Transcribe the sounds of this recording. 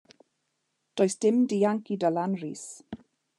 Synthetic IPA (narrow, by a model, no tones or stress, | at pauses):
d̥oːjsd̥ɪmdiːaŋkidəlanrḭːs